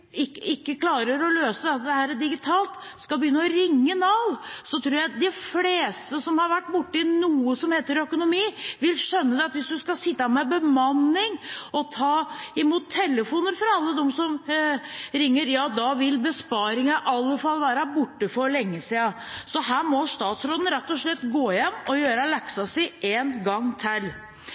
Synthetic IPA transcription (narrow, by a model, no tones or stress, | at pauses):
ɪɪkːəkʰlɑːɾəɾɔløːsəd̪ɛt̪ːd̪ɛhæːɾəd̪ɪɡɪt̪ʰɑːlt̪skɑbəjʏnːəɔɾɪŋːənɑʋsɔt̪ʰɾuːɾjæɪd̪ɪfleːst̪əsɔmhɑɾʋæʈːbʊʈːəɪnuːəsɔmheːt̪əɾœkʊnʊmiːʋɪlʂœnːəd̪ɛɑt̪ʋɪsd̪ʉskɑsɪt̪ːɑmɛbəmɑnːɪŋɔt̪ʰɑːɪmuːt̪ʰːɛlːəfuːnəɾfɔɾɑlːəd̪ɛmsɔm | ɾɪŋːəɾjɑːd̪ɑʋɪlbəspɑːɾɪŋɑʔɑlːəfɑlːʋæːɾɑbʊʈːəfɔɾlɛŋːəsiːɑsɔɦæːɾmɔʂt̪ɑːt̪sɾoːd̪ən̩ɾɛt̪ːɔʂɭɛt̪ːɡoːjɛnːɔjøːɾəlɛksɑsɪʔeːnɡɑŋːt̪ʰɪl